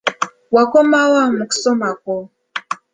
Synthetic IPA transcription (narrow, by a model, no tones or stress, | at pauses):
wakɔmawamuku̥sɔmakɔ